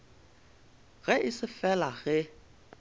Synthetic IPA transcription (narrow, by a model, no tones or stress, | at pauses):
ɣɛʔɪsɪfɛlaɣɛ